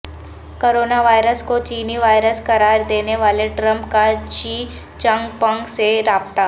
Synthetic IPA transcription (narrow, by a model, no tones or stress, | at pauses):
koɾoːnaʋaːjɾəskot͡ʃiːniʋaːjɾəskəɾaːɾd̪eːneʋaːleʈɾəmpkat͡ʃiː | t͡ʃə̃ŋɡpə̃ŋɡseɾaːbt̪a